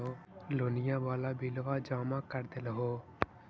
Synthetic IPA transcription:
oːloːnɪjãːbaːlaːbiːlʋaːd͡ʒaːmãːkəɾd̪eləɦoː

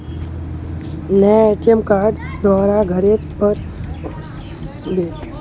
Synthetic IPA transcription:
nɛeʈijəmkaɾɖd̪ʋaːɾaɡʱəɾeɾpəɾ | d̪et̪

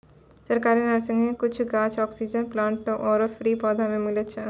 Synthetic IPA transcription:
səɾkaɾenaɾsiŋekit͡ɕʰuɡat͡ʃʰɔksid͡ʑənplaɳʈːoʔɔɾofɾipɔd̪ʱamemilet͡ɕʰe

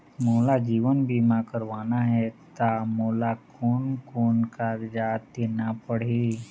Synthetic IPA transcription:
moːlad͡ʒiːʋənbʱiːmakəɾʋaːnaɦɛt̪amoːlakɔːnkoːnkaːɾd͡ʒaːt̪enapəɽ̤i

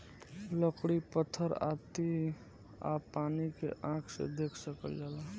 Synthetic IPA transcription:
ləkɽipət̪ʰːəɾa̰t̪i | a̰paːnikḛʔãːkʰsḛd̪eːkʰsəkəld͡ʒaːla

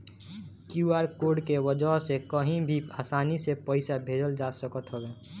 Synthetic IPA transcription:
kjuaːɾkoːɖkewəd͡ʒəɦsekəɦĩbʱiaːsaːnisepəɪsabʱeːd͡ʒəld͡ʒaːsəkət̪ɦobeː

